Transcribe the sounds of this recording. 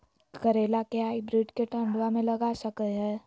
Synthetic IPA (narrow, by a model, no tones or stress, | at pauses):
kəɾeːlakeaːibɾiʈkeʈə̃ɳɖʋamẽləɡasəkəɦɛː